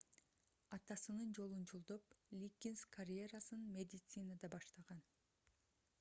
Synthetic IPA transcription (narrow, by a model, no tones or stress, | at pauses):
ɑt̪ɑsɯnɯnd͡ʒo̞lˠund͡ʒolˠd̪o̞plʲikʲːinskʰarʲje̞ɾasɯnmʲe̞d̪ʲɪt̪sɨnad̪ɑbɑʃt̪ɑʁɑn